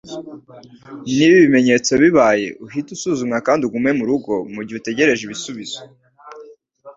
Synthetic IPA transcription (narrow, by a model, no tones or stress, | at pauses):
niβiβime̞ɲe̞t͡so̞βiβaːje̞̰ʔuɦitusuːzumŋakaːndiuɡumŋe̞muɾuɡo̞muɾɟihute̞ɟe̞ɾe̞ʒeβisuβiz̥o